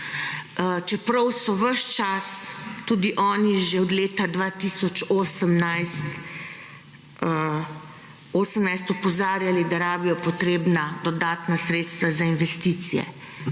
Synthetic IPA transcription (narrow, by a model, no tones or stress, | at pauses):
t͡ʃɛpɾɐwsɔʋəʃt͡ʃast̪uːd̪iʔɔːniʒɛɔd̪leːt̪ad̪ʋaːt̪isɔt͡ʃosəmnajst̪ | oːsəmnajst̪ɔpɔzaːɾjalid̪aɾaːbijɔpɔt̪ɾeːbnad̪ɔd̪aːt̪nasɾeːt̪st̪ʋazainʋɛst̪iːt̪sijɛ̰